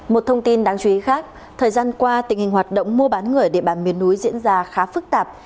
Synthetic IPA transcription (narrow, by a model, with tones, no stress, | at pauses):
mo˨˩t̚t̪ʰə˧wŋ͡mt̪i˧nɗaː˨˦ŋt͡ɕu˧i˨˦xaː˦˥k̚ | t̪ʰəː˨˩jzaː˧nkwaː˧t̪ï˩ŋ̟hï˨˩ŋ̟hwaː˨˩t̚ɗə̰˧˨wŋ͡mmu˧əɓaː˨˦nŋɨ˨˩əjɗe˧˩ɓaː˧˩nmi˨˦ənːu˨˦jzḭ˧˥ənzaː˧xaː˨˦fɨ˦˥k̚t̪aː˨˩p̚